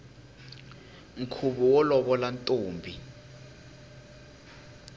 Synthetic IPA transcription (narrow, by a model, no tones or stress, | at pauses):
ŋ̩kʰuɓuwɔlɔɓɔlantʼoːmbʱi